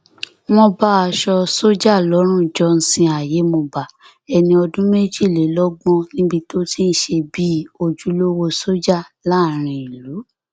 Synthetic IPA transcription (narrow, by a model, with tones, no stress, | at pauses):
mɔ̃˧ba˦a˧ʃɔ˧so˦d͡ʒa˦˨lɔ˨˦ɾ̃ũ˦˨d͡ʒɔ˧˦n̩˧sĩ˧a˨je˨˦mõ˧ba˨ | ɛ˧nĩ˧ɔ˧dũ˦me˦d͡ʒi˦˨le˨˦lɔ˦ɡ͡bɔ̃˧nĩ˦bi˧to˦ti˦n̩˦ʃe˧bi˦o˧d͡ʒu˨˦lo˦wo˧so˦d͡ʒa˦˨la˦˨ɾ̃ĩ˧i˨lu˨˦